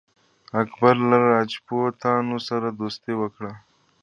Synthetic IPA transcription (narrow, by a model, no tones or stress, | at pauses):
akbaɾlaɾɑd͡ʒpot̪ɑːnosaɾad̪ost̪ewəkɽa